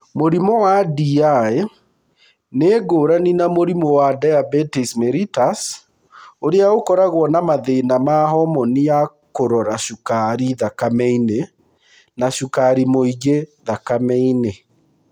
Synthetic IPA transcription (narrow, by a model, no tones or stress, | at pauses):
moɾimɔwadiae | neːɡoːɾaninamoɾimɔwadajabɛtismɛɾitas | oɾeaokɔɾaɣwɔnamaðenamaɦɔmɔnia | koɾɔɾaʃukaɾiðakamɛine | naʃukaɾimoiɡeðakamɛine